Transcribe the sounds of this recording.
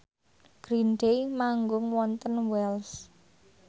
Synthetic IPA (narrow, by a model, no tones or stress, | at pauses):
ɡ̥ɾinɖemaŋɡʊŋwɔnt̪ənwɛls